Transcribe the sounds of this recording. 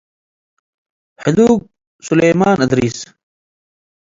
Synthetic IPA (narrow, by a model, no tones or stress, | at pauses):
hɪd̪uːɡ̚ | suleːmaːnɐd̪ɾiːs